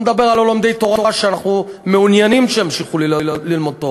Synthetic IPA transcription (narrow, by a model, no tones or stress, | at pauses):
med̪abe̞ʁalolomd̪e̞jt̪oʁaaʃeanaχnumeunjanimʃeimʃiχullilmo̞d̪̚t̪o